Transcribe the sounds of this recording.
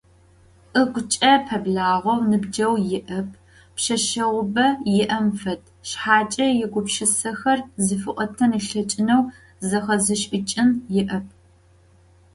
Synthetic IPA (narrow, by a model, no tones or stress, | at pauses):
ʔɨɡʷʊt͡ʃʼɐpʰɐbɮaːʁʷɔwnɨbd͡ʒɐwjɪʔɐpʰ | pʃɐʃɐʁʷʊbɐjɪʔɐmfɐtʰʃħaːt͡ʃʼɐjɪɡʷʊpʃɪsɐxɐrzɨfɨʔʷʼɔtʰɐnɨɬɐt͡ʃʼɪnɐw | zɐχɐzɨʃʼɪt͡ʃʼɪnjɪʔɐp̚ʰ